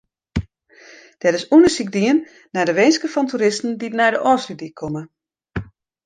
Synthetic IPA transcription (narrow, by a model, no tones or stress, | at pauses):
d̥ɛɾɪsunəsik̚diənː | ɛjdəʋejnskəfɔntʰuɾɪstn̩dinɛjdəʔɔːfsydikʰomə